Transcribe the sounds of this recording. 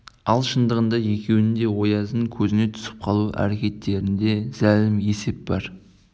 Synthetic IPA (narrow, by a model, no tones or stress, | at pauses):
ɑlˠʃənd̪əʁənd̪ɑje̞kʲe̞wɪnd̪e̞wo̞jɑzəɴkʲʰɵzɪne̞t̪ʰʏ̥sɪ̥p̚qʰɑlˠuʔæ̰ɾe̞kʲe̞t̪ʰːe̞ɾɪnd̪e̞z̥ælɪmje̞se̞p̚bɑɾ